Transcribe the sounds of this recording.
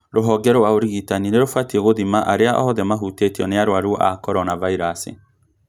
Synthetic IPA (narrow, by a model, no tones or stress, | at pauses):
ɾoɦɔɡɛɾɔwaoɾiɣitanineɾofatieɣoðimaʔaɾeaʔɔ̰ɔðɛmaɦutetiɔneaɾwaɾuʔakɔɾɔnavaiɾasḭ